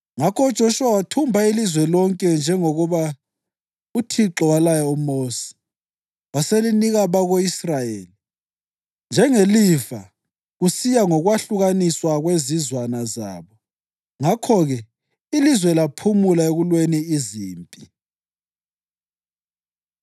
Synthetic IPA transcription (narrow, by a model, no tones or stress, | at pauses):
ŋakʰɔud̥ʒ̥ʱoʃuawatʰumbʱailizwɛlɔŋkʼɛnd͡ʒʱɛŋoɣuβa | utʰiǁɔwalajɔumoːsi̥ | waseliniɣaβaɣoisrajeːli | nd͡ʒʱɛŋeliva | ɣusijaŋɔɣwaɬuɣaniswaɣwezizwanaza̰ːβɔ | ŋakʰɔɣɛ | ilizwɛlapʰumulaeɣulweniːziːmpʼi